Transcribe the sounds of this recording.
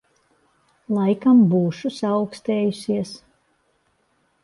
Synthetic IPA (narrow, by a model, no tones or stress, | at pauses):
lˠajkambuːʃusaʊkst̪eːjusʲiɛs